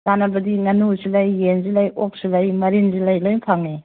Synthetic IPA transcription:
nanɐbɐdiŋɐnusilajːenzilajop̚silajmɐɾinzilajlojpʰaŋe

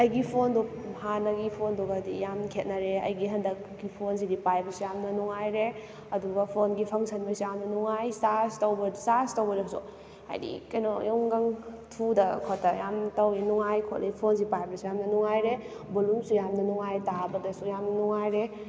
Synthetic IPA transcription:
ɐjɡipʰondu | hanɐɡipʰonduɡɐdijamkʰet̚nɐɾeɐ̰jɡiɦɐndɐk̚ɡipʰons̬idipajbɐsujamnɐnuŋajɾe | ɐduɡɐpʰonɡipʰɐŋsɐnbɐsijamnɐnuŋajstaɾstɐwbɐstaɾstɐwbɐɾɔsṵ | a̰jdḭkɐjnojɔŋɡɐŋtʰudɐkʰotːɐjamtɐwinuŋajkʰo̰t̚lʔeipʰons̬ipajbɐsijamnɐnuŋajɾe | bolumsujamnɐnuŋajtabɐdɐsujamnɐnuŋajɾe

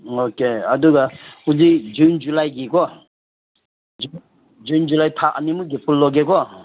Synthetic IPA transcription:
okeaduɡahuzid͡ʒund͡ʒulajɡikɔ | d͡ʒu | d͡ʒund͡ʒulajtʰaʔa̰nimuɡepʰulːɔɡekɔ

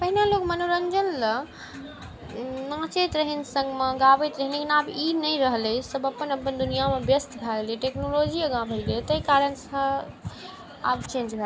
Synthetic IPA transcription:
pəɦinalokmənoɾənd͡ʒənlə | nãt͡ʃet̪ɾəɦinsə̃ŋɡmeɡabet̪ɾəɦinlekinabinəjɾəɦlesəbəpːənəpənd̪unijamẽbjəst̪bʱaliʈeknolod͡ʒiəɡãbʱəlɡet̪əjkaɾənsə̃ | a̰bt͡ʃẽnd͡ʒbʱa

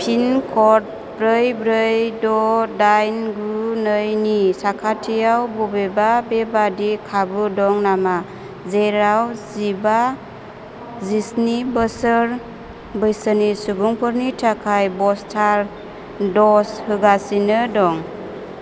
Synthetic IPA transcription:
pʰinkʰɔt̚ | bɾɯjbɾɯjdɔdajnɡunɯjnisakʰatʰijawbɔbebabebadikʰabɯdɔŋnama | zeɾawziba | zisnibəsəɾ | bɯjsənisuɡuŋpʰɯɾnitʰakʰajbɔstʰaɾ | dɔshɯɡasinɯdɔŋ

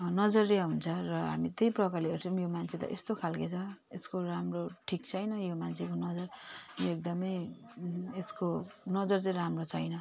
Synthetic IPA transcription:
nʌd͡zʌriaɦunt͡sʰʌrʌɦa̰mit̪ejprʌkaliɦeɾt͡sʰʌmjomant͡sʰet̪ʌ̰ʔest̪okʰalket͡sʰʌeskoɾamroʈʰikt͡sʰʌjnʌjomant͡sʰekonʌd͡zʌrjoek̚d̪ʌmʌj | eskonʌd͡zʌrt͡sʌĩɾamrot͡sʰʌjnʌ

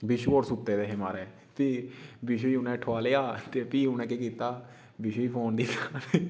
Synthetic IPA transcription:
bɪʃuoːɾsʊt̪ːeːd̪eːɦemaːɾɛː | piːbɪʃuiːʊnɛ̃ːʈʰoaːleːaːt̪eːpiːʊnɛ̃ːkeːkiːt̪aː | bɪʃuiːpʰoːnd̪iːpaːɾ

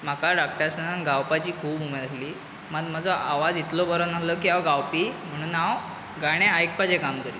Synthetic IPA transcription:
m̤akaɖak̚ʈaɾsənanɡawpat͡ɕiːkʰuːbumelaɦliː | mad̪mad͡zɔʔaʋad͡zit̪lɔbʱəɾənaləkiːawɡawpiːm̤əɽ̃uːnaw | ɡaɽ̃ẽajkpad͡ʑekamkəɾiː

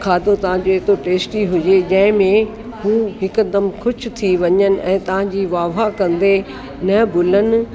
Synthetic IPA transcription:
kʰaːd̪ot̪ɐʋ̤ãd͡ʑoɪt̪oʈeːsʈiɦʊd͡ʑed͡ʑɐ̃ɦɪ̃mẽ | ɦuːɦɪkd̪əmkʰʊt͡ɕʰʊ̆t̪ʰiʋɐɲənɪ̆ʔɛ̃ːt̪ɐʋ̤ãd͡ʑiːʋaːʋakɐ̃nd̪e | nɐbʱʊlənɪ̆

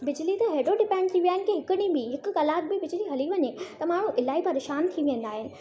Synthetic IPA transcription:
bɪd͡ʑlit̪ɐɦeːoɖɪpɛ̃ːɳɖt̪ʰiʋijaːɦɪnɪkeɦɪkɪɽ̃ĩbɪɦɪkʊ̆kɐlaːʈ̪̚bɪbɪd͡ʑliɦɐliʋɐɲet̪ɐmaːɽ̤̃ũʔɪlaːipɐɾeːʃaːnt̪ʰiʋɪ̃ə̃nd̪aːɦɪnɪ̆

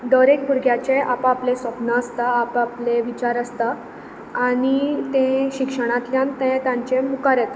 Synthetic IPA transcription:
ɖ̪əɾek̚puɾɡʱjat͡ɕeʔapːplesʋəpnəəst̪aːpapleʋit͡ɕaɾəst̪aː | ɽ̃it̪ẽɕikʂəɽ̃ãt̪ljãnt̪ẽt̪ãɲt͡ɕemukaɾɛt̪

